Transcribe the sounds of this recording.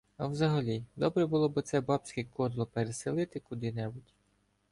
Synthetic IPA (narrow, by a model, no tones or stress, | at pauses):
ɐwzɐɦɐlʲid̪ɔbɾɛbʊlˠɔbɪt̪sɛbɑpt͡sʲkɛkɔd̪lˠɔpeɾeselˠɪt̪ɪkʊd̪ɪnɛbʊtʲ